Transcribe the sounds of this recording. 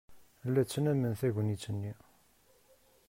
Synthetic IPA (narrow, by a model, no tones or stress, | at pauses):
əlːæt͡sːənæmənθæʝənit͡sːənːi